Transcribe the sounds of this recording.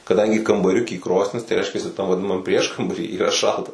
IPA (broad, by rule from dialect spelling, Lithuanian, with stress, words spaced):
kɐˈdɐŋʲɡʲɪ kɐmbɐˈrʲʊkʲiː ˈkroːsʲnʲɪs tɐɪ ˈrʲɛɪʃʲkʲɛsʲɪ tɐm ʋɐˈdʲɪnɐmɐm ˈpʲrʲiɛʃkɐmbɐrʲiː iːˈrɐ ˈʃɐlˠtɐ